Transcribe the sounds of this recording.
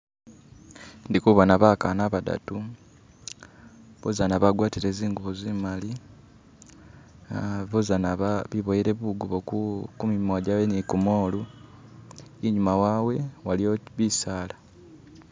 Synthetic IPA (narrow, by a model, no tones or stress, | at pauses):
ndikuβanaβakanaβada̰tu | βozanaβaɡwaːtiɾe̞ːziːŋɡuβuzimali | βozanaβaβiβojeɾe̞βuɡuβokumimaɟaβenikumo̞ːlu | iɲumawawe̞walioβisaːla